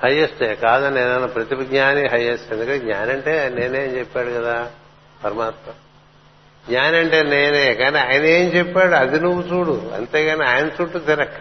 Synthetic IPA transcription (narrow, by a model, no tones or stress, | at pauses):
hɐjːesʈeːkaːd̪ɐneːnɐnːɐpɾɐt̪ibɐɡɲaːniɦɐjːesʈend̪ukɐeɡɲa̰ːnɐɳʈeːne̞ːneːnt͡ʃɛpːaːɽukɐd̪aː | pɐɾɐmaːt̪mɐm | ɡɲaːniɐɳʈeːneːneːkaːniaːjɐnɐeːnt͡ʃɛpːaːɽuɐd̪inuʋːut͡ʃuːɽuɐ̰nt̪eːkaniaːjɐnɐt͡ʃuːʈːut̪iɾɐkː